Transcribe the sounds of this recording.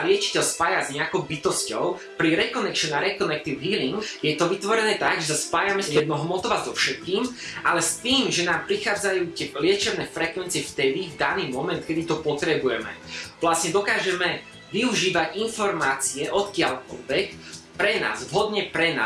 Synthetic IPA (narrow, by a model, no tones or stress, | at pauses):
lɪɛt͡ʃi̥cɛʎspaːjazɲɛakɔʊbit̪ɔscɔʊ | pɾiɾɛkɔnɛkʃɛnaɾɛkɔnɛk̚t̪iʊɦiːliŋɡjɛt̪ɔʋit̪ʋɔɾɛnɛːt̪aɡʒɛsaspaːjamɛst̪ɛd̪̚nɔɦmɔt̪ɔʋazɔfʃɛt̪̚kiːm | alɛst̪iːmʒɛnaːmpɾixaːd͡zajuːt̪ɪɛlɪɛt͡ʃɛbnɛːfɾɛkʋɛnt͡siɛft̪ɛd̪ivd̪aniːmɔmɛnt̪kɛd̪it̪ɔpɔt̪ɾɛbujɛmɛ̰ʋlasɲɛd̪ɔkaːʒɛmɛ | ʋiuʒiːʋaɟinfɔɾmaːt͡siɛʔɔt̪kɪaʎkɔlʋɛk | pɾɛna̰ːzvɦɔd̪ɲɛpɾɛna̰ː